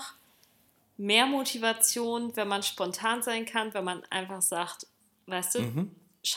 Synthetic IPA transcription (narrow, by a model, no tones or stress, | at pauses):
meːɐmotʰivat͡sjoːnvɛnmanʃpɔntʰaːnzaɪnkʰanvɛnmanʔa̰ɪnfaχz̥aːkt | vaɪstd̥uː | ʃ